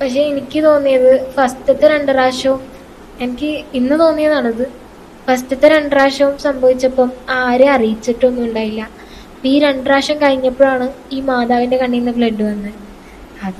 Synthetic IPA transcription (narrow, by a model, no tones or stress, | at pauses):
pɐkʂe̞enikʲːɨt̪o̞ːnːijɐðɨfɐstɐt̪ːeɾe̞ɳɖɐɾaːʂɐʋum | ɐnɐkʲːɨinːɨt̪o̞ːnːijɐðaːɳɐðɨ | fɐstɐt̪ːɐɾeɳɖɐraːʂɐʋumsɐmbʱɐʋit͡ɕːɐpːɐmaːɾeɐrijit͡ɕːiʈːo̞nːuɳɖaːjilːɐ | iːɾe̞ɳɖɐɾaːʂɐmkɐɻiɲːɐpːoɭaːɳɨiːmaːd̪aːʋinde̞kɐɳːijnːɐfɭe̞ɳɖːuʋɐnːɨ | ɐðɨ